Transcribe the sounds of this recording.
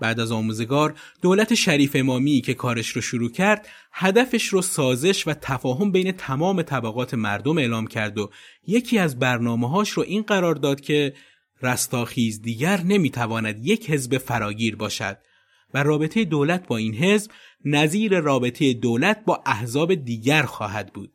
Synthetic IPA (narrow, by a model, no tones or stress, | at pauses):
b̥æːʔd̪æzɒːmuːze̞ɡɒːɾd̪̥oːlæt̪ʰe̞ʃæɾiːfe̞mɒːmiːcʰe̞kʰɒːɾeʃɾoʃoɾuːcʰæɾd̪̥ | hæd̪æfeʃɾoːsɒːze̞ʃvæt̪ʰæfɒːɦo̞mbejne̞t̪ʰæmɒːme̞t̪ʰæbæɣɒːt̪ʰe̞mæɾd̪o̞me̞ːlɒːmcʰæɾd̪oje̞cʰiːæzbæɾnɒːmeɦɒːʃɾoʔiːnɢæɾɒːɾd̪ɒːd̪̥cʰe̞ | ræst̪ɒːxiːzd̪iːɟæɾne̞miːt̪ʰævɒːnæd̪je̞cʰhe̞zbe̞fæɾɒːɟiːɾbɒːʃæ̰d̪̥̚ | værɒːbe̞t̪ʰe̞jed̪oːlæt̪ʰbɒːiːnɦe̞zb | næziːɾe̞rɒːbe̞t̪ʰe̞jed̪oːlæt̪̚ʰbɒːʔæhzɒːbe̞d̪iːɟæɾxɒːɦæd̪bṵːd̪̥̚